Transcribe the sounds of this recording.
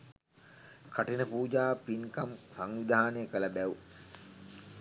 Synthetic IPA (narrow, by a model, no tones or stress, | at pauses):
kʰaʈinəpuːd͡ʒaːpinkamsaŋʋid̪ʱaːnəjəkəlabæʋu